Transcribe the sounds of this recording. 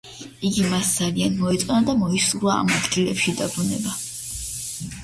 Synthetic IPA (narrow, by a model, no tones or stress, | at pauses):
iɡimasd̪zalianmɔɛt̪sʼɛnad̪amɔisuɾa̰ːmad̪ɡilɛpʃid̪abɾunɛba